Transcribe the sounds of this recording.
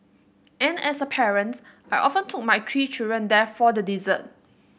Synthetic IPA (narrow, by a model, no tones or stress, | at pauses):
ʔɛ̃nɛsəpʰɛɹə̃nts | ʔajʔɔfə̃ntʰuk̚majtʰɹit͡ʃidɹə̃ndɛfɔdədizə̰̃n